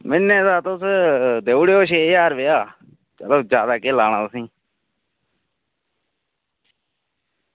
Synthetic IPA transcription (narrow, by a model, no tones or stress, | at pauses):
mɪnːẽːd̪aːt̪ʊsd̪eːuɽeːoːʃ̬eːjaːɾʋeːaː | t͡ʃəloːd͡ʒjaːd̪aːkeːlaːñãːsĩː